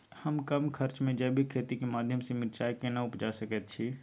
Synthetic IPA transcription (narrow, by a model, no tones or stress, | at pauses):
həmkəmkʰəɾt͡ʃmẽd͡ʒəbʱikʰeːt̪ikemaːd̪ʱjəmsemɪɾt͡ʃaːjkenəʊpd͡ʒasəkət̪̚t͡ʃʰi